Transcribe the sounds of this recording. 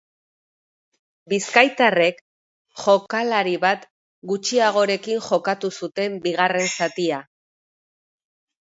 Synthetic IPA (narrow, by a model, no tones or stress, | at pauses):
biskajt̪are̞k | xo̞kalaɾiβat̪ | ɡut͡ʃiaɣ̞o̞ɾe̞kiŋxo̞kat̪usut̪e̞mbiɣare̞nsat̪ia